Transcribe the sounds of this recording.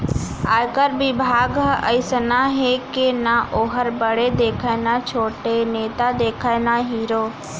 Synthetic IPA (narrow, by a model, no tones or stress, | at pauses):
aːjkəɾbɪbʱaːɡəjsənaɦeːkenãʔoːɦəɾbəɽed̪eːkʰaɪnãːt͡ʃʰoːʈeneːt̪ad̪eːkʰaːnaɦiːɾoː